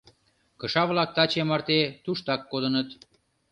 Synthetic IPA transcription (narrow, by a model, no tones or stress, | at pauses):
kə̆ʃɑβlɑk̚t̪ɑt͡ɕemɑrt̪et̪uʃt̪ɑkːod̪ə̆nət̪